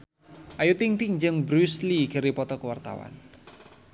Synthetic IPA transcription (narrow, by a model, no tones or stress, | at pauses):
ʔajut̪ɪŋt̪iŋd͡ʒəŋbɾusliɡ̥əɾipɔt̪ɔkəwart̪a̰wa̰n